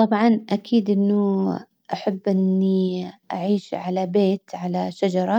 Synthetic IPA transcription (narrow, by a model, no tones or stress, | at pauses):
t̪ˤɑbʕɑnʔakʰiːd̪ʔɪnːʊ | ʔaħabːʔɪnːiʔaʕiːʃʕalabeːt̪ʕalaʃad͡ʒɑɾˤɑ